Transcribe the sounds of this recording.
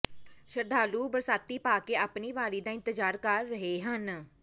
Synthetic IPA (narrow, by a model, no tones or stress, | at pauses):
ʃəɾd̪aːluːbəɾsaːt̪ːiːpaːkeːaːpniːʋaːɾiːd̪aːɪ̃nt̪əd͡ʒaːɾkəɾːəɦeːɦən